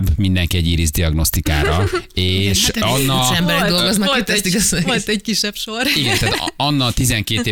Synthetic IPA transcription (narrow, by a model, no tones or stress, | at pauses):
bmind̪ɛŋkiɛɟiːɾizd̪iɒɡno̞st̪ika̰ːɾɒeːʃɒnːɒɛmbɛɾɛɡ̚d̪o̞lɡoznɒkːet̪ɛst̪iɡɛzɛɛckiʃːɛpʃoriɡɛnt̪aːt̪ɒnːɒt̪izɛŋkeːeː